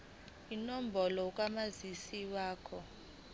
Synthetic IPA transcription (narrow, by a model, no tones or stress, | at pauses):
inɔm̩bʱɔlɔk̬ʼwamazisiwaːkʰɔ